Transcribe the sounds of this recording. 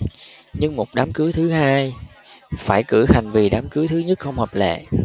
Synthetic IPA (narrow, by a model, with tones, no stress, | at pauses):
ɲɨ˧ŋmo˨˩t̚ɗaː˨˦mkɨ˨˦t̪ʰɨ˨˦haː˧j | faː˧˩jkɨ˧˩ha˨˩jŋ̟vi˨˩ɗaː˨˦mkɨ˨˦t̪ʰɨ˨˦ɲə˦˥t̚xə˧wŋ͡mhəː˨˩p̚lḛ˧˨